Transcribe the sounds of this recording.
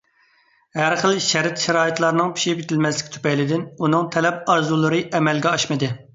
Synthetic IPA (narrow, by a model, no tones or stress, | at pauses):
hæɾχəlˠʃɛɾɪt̪ʃɛɾɑːit̪lˠɑɾnɨŋpʰi̥ʃibit̪ʰɪlmɛslɪkʲt̪ʰy̥pɛjlɪd̪ɪnunɨŋt̪ʰɛlɛp̚ɑɾzulˠɨɾɨʔɛmɛlɡʲɛɑʃmɨd̪ɨ